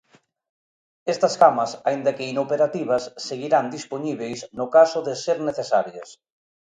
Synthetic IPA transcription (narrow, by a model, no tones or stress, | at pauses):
est̪ɐskamasaind̪ɐkeinopeɾat̪iβ̞ɐsːeɣiɾand̪ispoɲiβ̞ejsnʊkasoðeseɾneθesaɾjḛs